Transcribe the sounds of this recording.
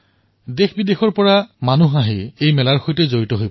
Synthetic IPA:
dexbidexɔɹpɔɹamanuɦaɦeejmɛlaɹxojtɛzoɹitɔɦoj

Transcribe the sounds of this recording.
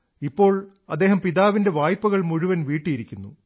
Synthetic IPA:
ipːo̞ːɭ | ɐd̪ːeːɦɐmpiðaːʋinde̞ʋaːjpːuɣɐɭmuɻuʋɐnʋiːʈːijiɾikʲːunːṵ

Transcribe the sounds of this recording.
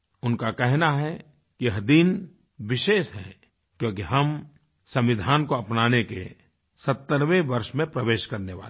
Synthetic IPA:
ʊnkakɛɦnaɦɛ | kiɦəd̪iːn | ʋɪʃeːʃɦɛ̰̃ | kjõːkiɦɐm | sɐ̃mʋɪd̪ʱaːnkoɐpnaːnekḛ | sɐt̪ːəɾʋẽʋɐɾʃmẽpɾəʋeːʃkɐɾneʋa̰ːle

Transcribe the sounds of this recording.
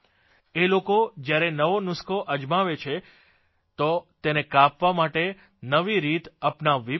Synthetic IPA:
elokod͡ʒjaɾenəʋonʊskʰoʔəd͡ʒmaʋet͡ʃʰe | t̪ot̪enekapʋamaʈe | nəʋiɾit̪əpnaʋi

